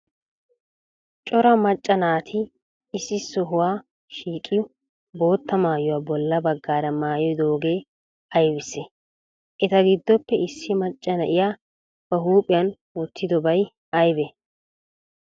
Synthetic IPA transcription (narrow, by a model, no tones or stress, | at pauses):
t͡ʃʼɔɾɐmɐt͡ʃʼːɐnaːt̪ʰɪː | sːɪsɔɦʊwaː | ʃiːkʼːɪjʊ | bo̞ːt̪ːɐmaːjʊwaːbɔlːɐbɐɡːaːɾɐmaːjɔjd̪o̞ːɡe̞ː | ɐjbɪsːɛ | ʔɛt̪ɐɡɪd̪ːɔpːɛɪsːɪmɐt͡ʃʼːɐnɐʔɪjaː | b̥ɐɦuːpʼɪjɐn | wɔt̪ʰːɪd̪ɔbɐj | ɐjbɛ